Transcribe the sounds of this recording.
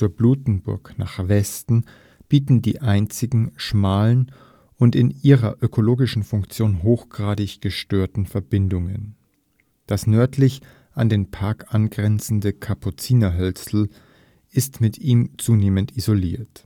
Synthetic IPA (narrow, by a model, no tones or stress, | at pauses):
t͡suːɐbluːtn̩bʊ̰ɐkna̰ːχv̥ɛstn̩ | b̥iːtn̩dḭːʔaɪnt͡sɪɡŋ̩ʃmaːlən | ʔʊntɪnʔiːʁɐ̰ʔøkʰoloːɡɪʃn̩fʊŋkt͡sjoːnɦoːxɡ̥ʁaːdɪçɡ̥əʃtøːɐtn̩fɛɐbɪndʊŋən | d̥asnœɐtʰlɪç | ʔandeːnpʰaɐkʔanɡʁɛnt͡sn̩dəkʰapʰʊt͡siːnaɦœlt͡sl̩ | ʔɪstmɪtʰiːmt͡suːneːməntizolḭːɐt